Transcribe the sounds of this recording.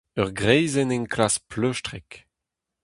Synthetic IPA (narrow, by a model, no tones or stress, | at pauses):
œʁɡʁɛjzɛnɛnkʰlaspløʃtʁɛk